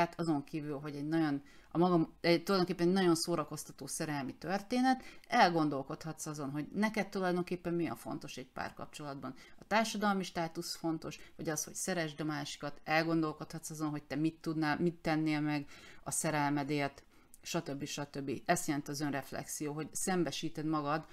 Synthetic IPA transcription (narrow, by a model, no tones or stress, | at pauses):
at̪ʰɒzo̞ŋkiːvylɦo̞ɟɛɟnɒɟo̞n | ɒmɒɡɒmɛt̪ulɒjd̪oŋkeːpːɛnɛɟnɒɟo̞nsoːɾɒko̞st̪ɒt̪oːsɛɾɛlmit̪ørt̪eːnɛt̪ɛlɡo̞n̪d̪o̞lko̞t̪hɒt̪sɒzo̞nɦoɟnɛkɛt̪ːulɒjd̪o̞ŋkeːpːɛmːijɛ̰ɱfo̞̰n̪t̪o̞ʃɛɟ̚pa̰ːrkɒ̰p̚t͡ʃo̞lɒd̪bɒn | ɒt̪aːrʃɒd̪ɒlmiʃt̪aːt̪usfo̞nt̪o̞ʃʋɒɟɒsho̞csɛɾɛʒd̪ɒmaːʃi̥kɒt̪ɛlɡo̞nd̪o̞lko̞t̪hɒt̪sɒzo̞nɦo̞c̚t̪ɛmit̪ːud̪naːlmit̪ːɛnːeːlmɛɡɒsɛɾɛlmɛd̪eːrt̪ | ʃɒt̪ø̞bːiʃɒt̪ø̞bːiɛst̪jɛlɛnt̪iɒzønrɛflɛ̰ksijoːɦo̞ɟsɛmbɛʃiːt̪ɛd̪mɒɡɒd̪